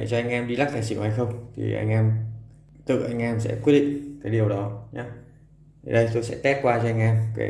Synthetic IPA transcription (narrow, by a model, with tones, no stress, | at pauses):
e˧˩t͡ɕɔ˧ʔa˧jŋ̟ʔɛ˧mɗi˧la˦˥k̪̚a̰ː˧˨s̬ḭ˧˨wha˧jxə˧wŋ͡mt̪ʰḭ˨˩ʔa̰˧jŋ̟ʔɛː˧m | t̪ɨ̰˧˨ʔa˧jŋ̟ʔɛː˧msɛ̰˧˥kwt̚ɗḭ˧˨ŋ̟kaː˨˦ɗi˨˩əwɗɔ˨˦ɲaː˨˦ | t̪ʰɗə˧jt̪o˧jsɛ̰˧˥t̪ɛ˦˥t̚kwaː˧t͡ɕɔ˧a˧jŋ̟ʔɛː˧mkḛ˨˦